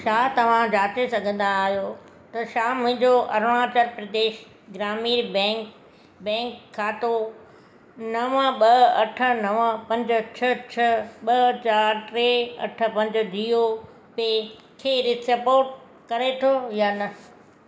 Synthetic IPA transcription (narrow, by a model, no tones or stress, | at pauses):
ʃaːt̪ɐʋ̤ãd͡ʑaːt͡ɕesɐɡʱə̃n̆d̪aːɦijo | t̪ɐʃaːmʊ̃ɦɪ̃ɲd͡ʑoʔɐɾʋãːt͡ɕəɾpɾɐd̪eːʃ | ɡɾaːmiːɾbɛ̃ː | bɛ̃ːŋkʰːaːt̪o | nɐʋəɓɐɐʈʰə̆nɐʋəpɐ̃ɲd͡ʑʊ̆t͡ɕʰɐt͡ɕʰɐɓɐt͡ɕaːɾt̪ɾeɐ̰ʈʰə̆pɐ̃ɲd͡ʑ̆d̪ʱiːo | pe | kʰeːɾɪsɐpoːɾʈ̚ | kɐɾet̪ʰojaːnɐ